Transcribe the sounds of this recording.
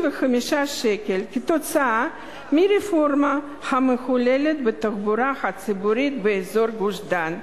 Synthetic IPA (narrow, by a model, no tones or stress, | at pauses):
vexamiʃaʃekelkit̪ot͡saa | miɾefo̞rma | hamexulelet̪bɨt̪akbuɾahat͡sɨbuɾit̪beezo̞ɾɡuʃd̪an